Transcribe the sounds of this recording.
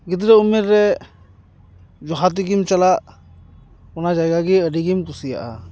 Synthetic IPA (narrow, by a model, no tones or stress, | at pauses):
ɡit̪̬ɾɛumːeɾːɛ | d͡ʒɔɦat̪̬iɡimt͡ʃalaʔ | ɔnad͡ʒajɡaɡiəɖiɡimkusija̰ʔa̰